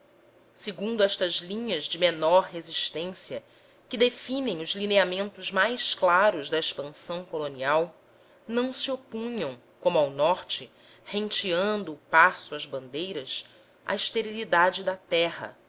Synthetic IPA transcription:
seɡũnd̪ʊɛʃt̪ɐzlĩɲɐzd͡ʒɪmenɔɾɦeziʃt̪ẽsiɐ | kɪd̪efĩnẽj̃ŋ̃ʊzlineamẽnt̪ʊzmajsklaɾʊzd̪ɐeʃpɐ̃sɐ̃w̃koloniaw | nɐ̃w̃siopũɲɐ̃w̃ | kõmʊawnɔɾt͡ʃɪ | hẽt͡ʃiɐ̃nd̪ʊːpasʊɐzbɐ̃nd̪ejɾɐs | ʔɐ̰iʃt̪eɾilid̪ad͡ʒɪd̪ɐt̪ɛɦɐ̰

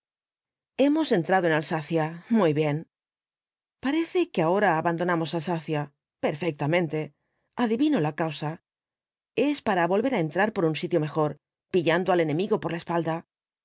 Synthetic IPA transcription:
e̞mo̞se̞nt̪ɾaðoe̞nalsaθjamujβje̞n | paɾe̞θe̞keao̞ɾaːβand̪o̞namo̞salsaθja | pe̞ɾfek̚t̪amẽnt̪e̞ | aðiβino̞lakawsa | e̞spaɾaβo̞lβe̞ɾae̞nt̪ɾaɾpo̞ɾunsit̪jo̞me̞xo̞ɾ | piʎand̪oale̞nẽ̞miɣo̞po̞ɾlae̞spald̪a

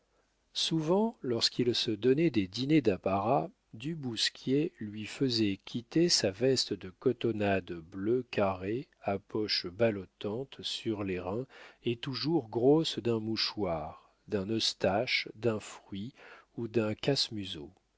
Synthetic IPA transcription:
suvɑ̃lɔʁskʰilsəd̪ɔnɛd̪ed̪ined̪apaʁa | d̪ybuskʲʰjelɥifəzɛkʲʰit̪esavɛst̪d̪əkɔt̪ɔnad̪bløkaʁe | apɔʃbalɔt̪ɑ̃t̪syʁleʁɛ̃et̪uʒuʁɡʁosd̪ɛ̃muʃwaːʁ | d̪ɛ̃nɔst̪aʃd̪ɛ̃fχɥiud̪ɛ̃kasmyzo

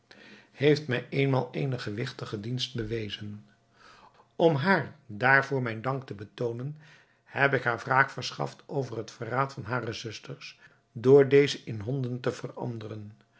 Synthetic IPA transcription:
hejftmɛjʔejnmaːlˠḛjnəχəʋɪχtəχədinst̚bəʋejzən | ɔmɦaːɹdaːɹvʊːɹmɛjndɑŋk̚təbətownən | hɛpɪkɦaːɹvraːχfəɹsχɑ̰ftʰowvərɦətfəraːtfɑnɦaːrəzʏstəɹs | dʊːɹdejzəʔɪnɦɔndəntəvərɑ̰ndərən

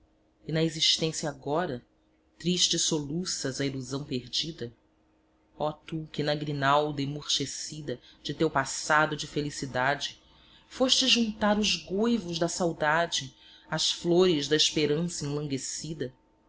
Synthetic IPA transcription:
inɐeziʃt̪ẽsjɐaɡɔɾɐ | t̪ɾiʃt͡ʃɪsolusɐzɐiluzɐ̃w̃peɾd͡ʒid̪ɐ | ɔt̪ukɪnɐɡɾinawd̪emoɾʃesid̪ɐd͡ʒɪt̪ewpasad̪ʊd͡ʒɪfelisid̪ad͡ʒɪ | foʃt͡ʃɪʒũnt̪aɾʊzɡojvʊʒd̪ɐsawd̪ad͡ʒɪ | ɐsfloɾɪzd̪ɐiʃpeɾɐ̃sɐĩlɐ̃ŋɡesid̪ɐ

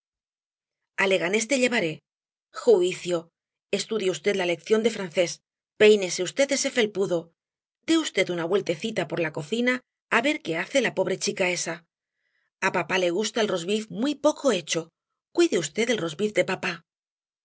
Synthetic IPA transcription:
ale̞ɣ̞ane̞st̪e̞ʎe̞βaɾe̞ | xuiθjo̞ | e̞st̪uðjeust̪e̞t̪lale̞kθjo̞nd̪e̞fɾanθe̞s | pe̞jne̞seust̪et̪e̞se̞fe̞lpuðo̞ | d̪e̞ust̪e̞t̪unaβwe̞lt̪e̞θit̪apo̞ɾlako̞θinaː | βe̞ɾke̞aθe̞lapo̞β̞ɾe̞t͡ʃikae̞sa | apapale̞ɣ̞ust̪aelro̞zβifmwijpo̞ko̞e̞t͡ʃo̞ | kwiðeust̪e̞ðelro̞zbifd̪e̞papa

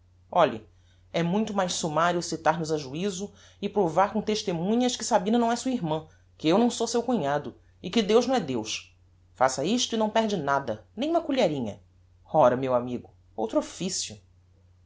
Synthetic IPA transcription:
ɔʎɐ̰ | ɛmũj̃t̪ʊmajʃsumaɾjuwsit̪aɾnʊzaʒuizʊ | ɪpɾovaɾkõt̪eʃt̪emũɲɐʃkɪsabĩnɐnɐ̃w̃ɛsuɐiɾmɐ̃ | kɪewnɐ̃w̃sowsewkuɲad̪ʊ | ɪkɪd̪ewʒnɐ̃ɛd̪ewʃ | fasɐiʃt̪ʊinɐ̃w̃pɛɦd͡ʒɪnad̪ɐnẽj̃ũmɐkuʎɛɾĩɲɐ̰ | ɔɾɐmewamiɡʊ | owt̪ɾʊofisjʊ

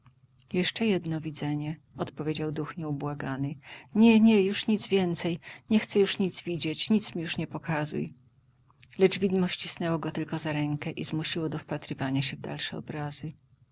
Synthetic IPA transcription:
jɛʂt͡ʂɛjɛd̪nɔvʲid̪zɛɲɛ | ɔt̪pɔvʲjed͡ʑawd̪uxɲɛubwaɡanɘɲɛɲɛjuʂɲid̪zvʲjɛnt̪sɛjɲɛxt̪sɛjuʂɲit̪zvʲid͡ʑet͡ɕɲit̪smʲijuʂɲɛpɔkazṵj | lɛd͡ʐvʲid̪mɔɕt͡ɕisnɛwɔɡɔt̪ɘlkɔzaɾɛŋkɛʔizmuɕiwɔd̪ɔfpat̪ɾɘvaɲaɕɛvd̪a̰lʂɛɔ̰bɾazɘ

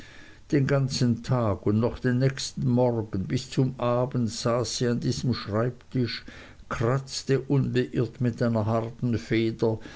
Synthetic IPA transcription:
d̥eːnɡant͡sən̩tʰaːɡʊndnɔχd̥enːɛçstn̩mɔʁɡən̩bɪst͡sʊmʔaːbəntz̥aːsːiːandiːzəmʃʁ̥aɪptʰɪʃ | kʰʁ̥at͡stəʔʊnbəʔɪɐtmɪtʔaɪnɐhaʁtn̩feːdɐ

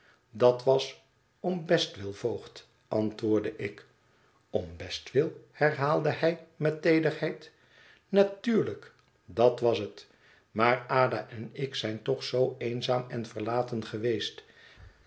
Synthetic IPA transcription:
dɑtʋɑs | ɔmbɛstʋɪlˠvowχt | ʔɑntʋʊːɹdəʔɪk | ɔmbɛstʋɪlˠhɛɹɦaːlˠdəhɛjmɛtejdərhɛjt | natyːɹlək | dɑtʋɑsət | maːɹaːda̰ʔɛnɪksɛjntɔχsowejnzaːmɛnvəɹlaːtənχəʋejst

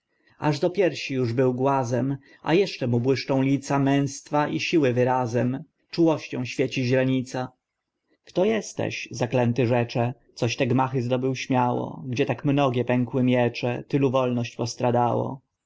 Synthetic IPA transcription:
aʐd̪ɔpʲjɛɾfɕijuʐbɘwɡwazɛm | a̰jɛʂt͡ʂɛmubwɘʂt͡ʂɔ̃w̃lʲit̪samɛ̃w̃st̪faʔiɕiwɘvɘɾazɛm | t͡ʂuwɔɕt͡ɕɔ̃w̃ɕfʲjɛt͡ɕiʑɾaɲit̪sa | kt̪ɔjɛst̪ɛ̰ɕzaklɛnt̪ɘʐɛt͡ʂɛt̪sɔɕt̪ɛɡmaxɘzd̪ɔbɘwɕmʲjawɔ̰ɡd͡ʑɛt̪akmnɔɡʲjɛpɛŋkwɘmʲjɛt͡ʂɛt̪ɘluvɔlnɔɕt͡ɕpɔst̪ɾad̪awɔ̰

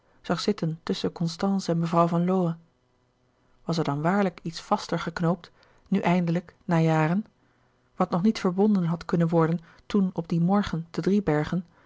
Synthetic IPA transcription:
z̥ɑχz̥ɪtəntɵsəkɔnstɑnsɛnməvrɑwvɑnlowə | ʋɑsɛɹdɑnʋaːɹləkitsfɑstəɹχəknowp̚t | nyʔɛjndələknaːjaːrən | ʋɑtnɔχnitfəɹbɔndənɦɑtkɵnənʋɔɹdən | tunɔb̚dimɔɹχənd̥ədribɛɹχən

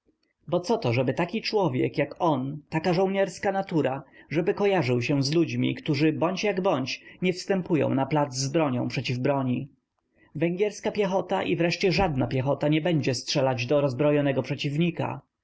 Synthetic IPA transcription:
bɔt̪sɔt̪ɔʐɛbɘt̪akʲit͡ʂwɔvʲjɛ̰kjakɔnt̪akaʐɔ̃w̃ɲɛɾskanat̪uɾaʐɛbɘkɔjaʐɘwɕɛzlud͡ʑmʲḭkt̪uʐɘbɔɲt͡ɕjaɡbɔɲt͡ɕɲɛfst̪ɛmpujɔ̰̃w̃naplad̪zzbɾɔɲɔ̰̃w̃pʂɛt͡ɕivbɾɔɲi | vɛŋɡʲjɛɾskapʲjɛxɔt̪aʔivɾɛʂt͡ɕɛʐad̪napʲjɛxɔt̪aɲɛbɛɲd͡ʑɛstʂɛlad͡ʑd̪ɔɾɔzbɾɔjɔnɛɡɔpʂɛt͡ɕivɲika̰

